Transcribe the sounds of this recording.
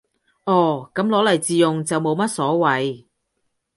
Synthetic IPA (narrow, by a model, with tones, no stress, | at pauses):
ʔɔː˨˩kɐ˨˥mlɔː˨˥lɐ˨˩jt͡siː˨jʊ˨ŋt͡sɐ˨wmo˨˧wmɐ˥t̚sɔː˨˥wɐ˨˧j